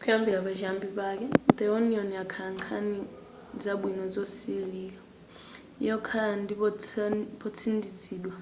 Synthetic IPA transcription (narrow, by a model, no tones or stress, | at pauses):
kʰujambiɺapaʒambipak̬ɛd̪ɛɔniɔniakʰaaŋkʰani | d͡zaɓwinɔd͡zɔsiliːka | ḭjɔkʰaandipɔpɔt͡sʰindid͡ziːɗwa